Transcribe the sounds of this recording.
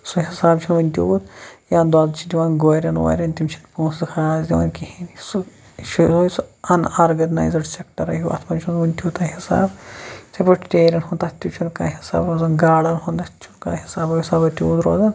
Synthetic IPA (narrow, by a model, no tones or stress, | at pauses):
suɦisaːbt͡ʃʰunʋɐnʲt̪ʲuːd̪jaːnd̪aːzt͡ʃʰid̪ʲiʋaːnɡoːɾɐnʋo̰ːɾʲɐnt̪imt͡ʃʰi̥npũːsd̪kʰaːzd̪ʲiʋa̰ːnkihinsu | ʃusojsuɐnaːɾɡɐna̰ːjzɐɖsʲekʈɐɾɐjuʔɐ̰t̪ʰmɐmt͡ʃʰunʋɐnʲt̪ʲuːt̪ɐhisa̰ːbsepoʈʈeːɾʲɐnɦunt̪ɐt̪ʲːut͡ʃʰunkaːɦisa̰ːbɾoːzɐnɡaːɽɐnɦond̪ɐtt͡ʃʰunka̰ːhisaːbɐisaːbɐt̪ʲjṵːd̪ɾoːzɐn